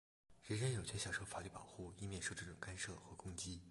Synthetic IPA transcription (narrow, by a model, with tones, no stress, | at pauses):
ɻə˧˥nɻə˥njo˨˩ʊt͡ɕʰɥɛ˥ɕjɑ˨˩ʂo˧˥fa˨˥ly˥˩pɑ̰˨˩ʊxu˥˩i˥˧mjɛ˥˧nʂo˥˧ʈ͡ʂɤ˥˩ʈ͡ʂʊ˨˩ŋka˥nʂɤ˥˩xɤ˧˥kʊ˥ŋt͡ɕi˥